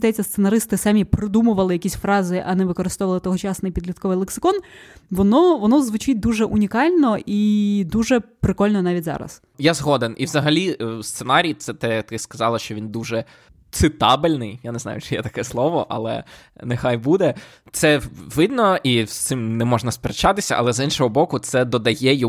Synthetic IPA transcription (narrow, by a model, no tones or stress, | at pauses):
d̪ɛt͡sʲːɐst̪senɐɾɪst̪ɪsɑmʲipɾɔd̪umʊʋɐlˠɪjɐkʲisʲfɾɑzɪʔɐnɛʋɪkɔɾɨst̪ɔʋɐlˠɪt̪ɔɦɔt͡ʃɑsnɪjpʲid̪lʲiɐt̪̚kɔʋɪjlˠeksɪ̥kɔnʋɔnɔʋɔnɔzʋʊt͡ʃit̚ʲd̪uʒɛʔunʲikɑlʲnɔid̪uʒɛpɾɪkɔlʲnɔnɑʋʲitʲzɑ̰ɾɐ̰s | jazɦɔd̪enʔiʋzɐɦɐlʲist̪senɑɾʲijt̪sɛt̪ɛt̪ɪskɐzɑlˠɐʃt͡ʃɔʋʲind̪uʒɛ | t̪sɪt̪ɑbɪlʲnɪjjaneznɑ̰jʊt͡ʃɪjɛ̰t̪ɐkɛslˠɔʋɔʔɐ̰lˠɛ̰ | nexajbud̪ɛ | t̪sɛʋɪd̪nɔʔist̪sɪmnɛmɔʐnɐspʲeɾt͡ʃɑt̪ɪsʲɐ̰ʔɐ̰lˠɛzinʃɔɦɔbɔkʊt̪sɛd̪ɔd̪ɐjɛj